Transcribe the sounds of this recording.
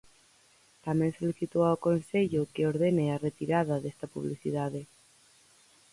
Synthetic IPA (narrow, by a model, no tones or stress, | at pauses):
t̪amjensoliθit̪oaokonseʎokeoɾðenearet̪iɾaðaðest̪apuβ̞liθḭð̞aðe